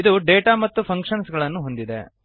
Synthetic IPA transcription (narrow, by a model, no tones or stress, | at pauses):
id̪uɖeːʈaːmɐt̪ːupʰɐŋkʂɐnsɡɐɭɐnːuɦo̞nd̪id̪e